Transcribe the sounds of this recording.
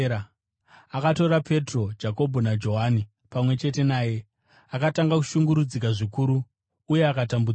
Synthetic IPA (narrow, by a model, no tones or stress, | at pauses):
akato̞ɾapʰe̞tro̞d͡ʒako̞bʱonad͡ʒo̞ɦani | pamwe̞t͡ʃe̞te̞naːje̞ | akataŋɡaku̥ʃuŋɡuɾud͡zik̬aʐikuɾuː | je̞akatambu